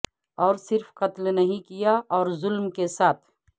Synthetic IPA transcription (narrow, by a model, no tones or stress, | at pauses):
ɔːɾsɪɾfqɐt̪lnɐɦĩkijaʔɔːɾzʊlmkesaːt̪ʰ